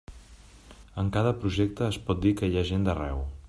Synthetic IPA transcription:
əŋkaðəpɾuʒɛk̚t̪əːspɔt̪̚d̪ikəjaʒend̪ərɛw

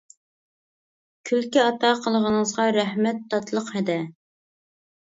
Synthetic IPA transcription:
kʲʰylkʲiɑt̪ʰɑqʰəlˠəʁənəzʁɑɾæhmɛt̪ːɑt̪ʰlˠəqhɛd̪ɛ

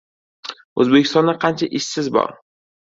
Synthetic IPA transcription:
ɵzbekʲʰɪ̥st̪ɒnd̪aqʰɑnt͡ʃʰaʔɪʃsɪzbɒ̰ɾ

